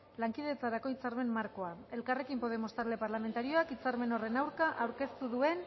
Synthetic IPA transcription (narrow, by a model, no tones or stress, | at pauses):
laŋkiðe̞t͡saɾako̞it͡saɾme̞mmaɾko̞ae̞lkare̞kimpo̞ð̞e̞mo̞st̪aɾle̞paɾlame̞nt̪aɾio̞akit͡saɾme̞no̞re̞nawɾkaʔawɾke̞st̪uðue̞n